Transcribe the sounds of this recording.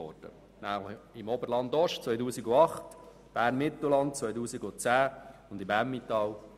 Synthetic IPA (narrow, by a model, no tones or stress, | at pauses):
ɔ̰ɾd̥ə̰ | nælɪmɔbəɾlɑnd̪ɔʃtt͡sʋœjtuːsiɡʊɑχt | b̥æːɾnmɪt̪l̩lɑnt̚t͡sʋœjtuːsiɡʊt͡sæːʊndɪmæmːitɑːw